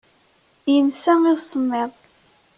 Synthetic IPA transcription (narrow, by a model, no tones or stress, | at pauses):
jənsæiwsəmːeðˤ